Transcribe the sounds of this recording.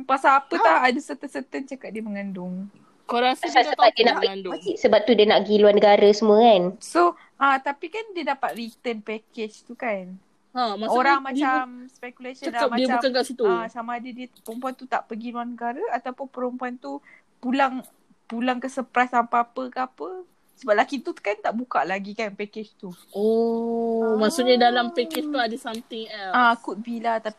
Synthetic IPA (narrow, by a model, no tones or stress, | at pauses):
pasaːpət̪ahadəsət̪əsət̪ənt͡ʃakat̪̚diəməŋandʊŋ | koɾasaəadiənaʔəaisəbap̚t̪udiənaʔɡiluanəɡaɾəsəmuəkanso | ʔat̪apikandiədapat̪̚rit̪ənpɛket͡ʃt̪ukan | amaoɾaŋmãt͡ʃamspɛkulasədalamadiəaumkankaʔsit̪uasamaːdadiəpəɾəmpuant̪ut̪aʔpəɡinuanəɡaɾaat̪awpʊnpəɾəmpuant̪u | pulaŋ | pulaŋkəsəpɾasampaapəkaapə | səbap̚lakit̪ukant̪aʔbukaʔlaɡikanpɛket͡ʃt̪u | ɔ | maʔsuʔ̚ɲadalampɛket͡ʃt̪uadəsamt̪ɪŋɛlakut̪̚bilat̪api